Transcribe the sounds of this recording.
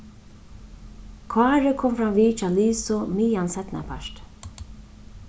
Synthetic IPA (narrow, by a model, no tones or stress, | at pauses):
kʰvaːɾɪkʰɔːmfɾamviːt͡ʃaliːsʊmiːjansɛt̪na̰pʰaʃt̪